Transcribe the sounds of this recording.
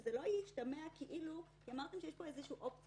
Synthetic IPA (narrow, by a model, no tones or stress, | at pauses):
zelojiʃtameakeʔilu | jamaʁt̪emʃejeʃpo̞ezeʃuːʔopt͡s